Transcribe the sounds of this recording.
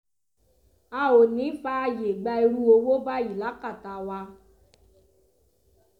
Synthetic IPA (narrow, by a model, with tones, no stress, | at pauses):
a˨o˨nĩ˨˦fa˦a˧je˨ɡ͡ba˧e˧ɾu˦o˧wo˦ba˦i˨la˨˦ka˦˨ta˨wa˧